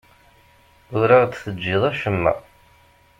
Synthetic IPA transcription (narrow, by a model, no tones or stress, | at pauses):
ʊɾaʁd̪θəd͡ʒːɪðˤæʃəmːæ̰